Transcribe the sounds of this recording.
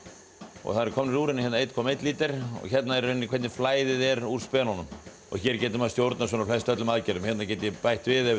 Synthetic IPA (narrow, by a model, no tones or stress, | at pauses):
ɔ̰ɣθaðɾkʰɔːmnɪɾuːɾɪnɪçɛt̪naejt̪kʰɔːmejt̪liːt̪ɪɾ̥ɔ̰çɛt̪naɛɾenːɪkʰvɛɾt̪nɪ̥flaːjðɪðɛɾuɾ̥spɛːnɔnʏm | ɔ̰ɣçɛɾcɛːt̪ɪmast̪jowɾt̪nasvɔnɔflɛst̪œt̪lʏmaðcɛɾʏmçjɛt̪nacɛːt̪ɪjɛpajht̪vɪðɛ